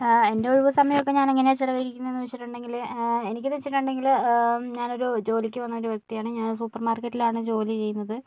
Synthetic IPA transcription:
e̞nde̞uɻʋɐsɐmɐjɐmokːe̞ɲaːnɐŋːɐneat͡ɕilɐʋɐiɾikʲːunːɐe̞nːɨʋet͡ɕːiʈːuɳɖe̞ŋɡile̞nikʲːɨt̪et͡ɕːiʈːuɳɖe̞ŋɡilɲaːno̞ɾud͡ʑo̞ːlikʲːɨʋɐnːɐo̞ɾuʋjɐk̚t̪ijaːɳɨɲaːnsuːpːɐrmaːrketːilaːɳɨd͡ʑo̞ːlit͡ɕe̞jːunːɐðɨ

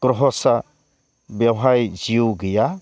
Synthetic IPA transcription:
ɡ̥ɾɔɦɔsa | bewɦajd͡ʒiuɡija

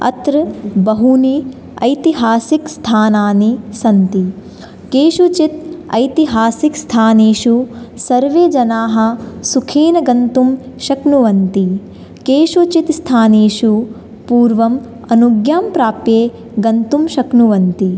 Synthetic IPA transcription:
ɐ̰t̪ɾbɐɦuni | ɐjt̪iɦaːsikst̪ʰaːnaːnisɐnt̪i | keːʃut͡ʃit̪ɐjt̪iɦaːsikst̪ʰaːneːʃusɐɾʋeːd͡ʒɐnaːɦɐ̆sukʰiːnɐɡɐnt̪umʃɐknuʋɐnt̪i | keːʃut͡ʃit̪st̪ʰaːneːʃu | puːɾʋɐm | ɐnuɡjaːmpɾaːpjeː | ɡɐnt̪umʃɐknuʋɐnt̪i

